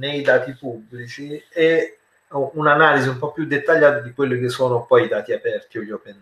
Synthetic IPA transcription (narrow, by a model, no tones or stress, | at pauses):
nejd̪aːt̪ipubːlit͡ʃie | unanaːliziumpɔpːjud̪ːet̪ːaʎːaːt̪ad̪ikwelːɪk̟esːoːnopɔjid̪aːt̪iapɛrt̪ioʎːopɛn